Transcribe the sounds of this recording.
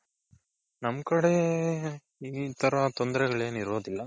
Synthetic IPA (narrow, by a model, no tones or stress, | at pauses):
nɐmkɐɽe | iːt̪ɐɾɐt̪ond̪ɐɾɛɡɐɭe̞ːniɾuʋod̪ilːɐ